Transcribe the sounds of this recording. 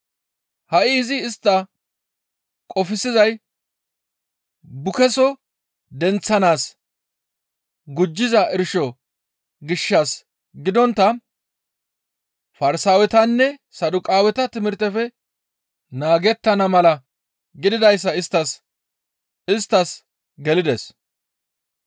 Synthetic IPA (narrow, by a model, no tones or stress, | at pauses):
hɐʔɪːzɪːst̪ːɐ | kʼɔfɪsɪzɐj | bʊkɛsɔ | d̪ɛnt͡sːɐnaːs | ɡʊd͡ʒːɪzɐʔɪɾʃɔ | ɡɪʃːɐs | ɡɪd̪ɔnt̪ːɐ | fɐɾɪsaːwɛt̪ɐnːɛsɐd̪ʊkʼaːwɛt̪ɐt̪ɪmɪɾt̪ːɛfɛ | naːɡɛt̪ːɐnɐmɐlɐ | ɡɪd̪ɪd̪ɐjs̬ːɐɪst̪ːɐs | ɪst̪ːɐs | ɡɛlɪd̪ɛs